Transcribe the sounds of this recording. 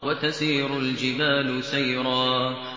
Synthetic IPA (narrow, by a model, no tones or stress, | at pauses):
wat̪asiːɾʊld͡ʒɪbaːlʊsajɾɑː